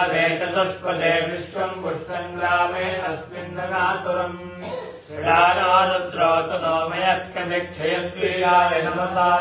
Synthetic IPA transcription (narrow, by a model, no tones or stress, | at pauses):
d̪eːt̪ɐt̪ɐspɐd̪eːʋɾiʂʋɐmkuʂʈɐŋɡɾaːmeːnɐsmind̪ʱɐnaːt̪uɾɐm | ɐd̪aːnaːɾɐnt̪ɾoːt̪ɐnoːmɐjɐskɐd̪ek̚t͡ʃʰɐjɐt̪ʋijaːlenɐmɐsaː